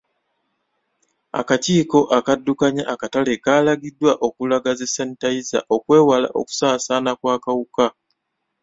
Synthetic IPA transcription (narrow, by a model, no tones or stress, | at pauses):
a̰kaciːko̞ʔakadːukaɲaʔːkatalekaːlaɡidːwaʔokulaɡazesantaiza̰ʔo̞kwe̞ːwala̰ʔo̞̰ku̥saːsaːnakwaːkawuka